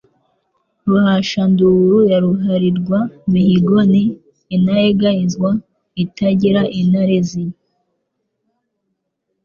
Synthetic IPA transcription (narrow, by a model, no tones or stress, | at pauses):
ɾuhaʃanduɾujaɾuɦaɾiɾɡwaβihiɡoniː | najeɡajizɡwa | itaɟiɾaʔinaɾezij